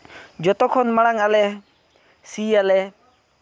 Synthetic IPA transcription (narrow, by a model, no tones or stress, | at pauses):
d͡ʒɔt̪ɔkʰɔnmaɽ̃aŋalɛ | sialɛ